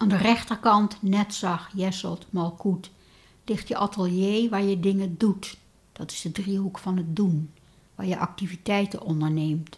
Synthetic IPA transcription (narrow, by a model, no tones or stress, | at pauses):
ʔaːndərɛχtəɹkɑntnɛtsɑχjɛsə̰lˠtmɑlˠkut | lɪχtjəʔɑtəlˠjejʋaːɹjədɪŋədut | d̥ɑtɪ̥zdədriɦukfɑnət̚dun | ʋaːɹjəʔɑk̚tivitɛjtə̰nʔɔndəɹnejmt